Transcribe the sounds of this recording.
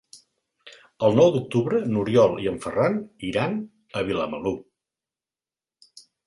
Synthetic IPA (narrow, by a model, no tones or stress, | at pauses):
əlˠnɔwd̪uk̚t̪uβɾənuɾjɔlˠiəɱfəraniɾan | əβ̞iləməlu